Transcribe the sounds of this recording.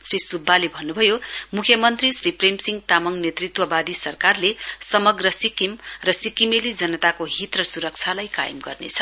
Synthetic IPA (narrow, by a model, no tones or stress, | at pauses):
srisubʱːalebʱʌnːubʱʌjomukʰjʌmʌnt̪risripremsiŋɡ̚t̪amʌŋnet̪rit̪wʌbad̪isʌrkarlesʌmʌɡrʌsikimrʌsikimelid͡zʌnʌt̪akoɦit̪rʌsuɾʌk̚t͡sʰalajka̰jʌmɡʌ̰rnḛt͡sʰʌ